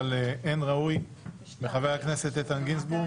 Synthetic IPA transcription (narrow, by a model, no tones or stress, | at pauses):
leʔenʁauj | beχavejhakne̞set̪et̪anɡinsbu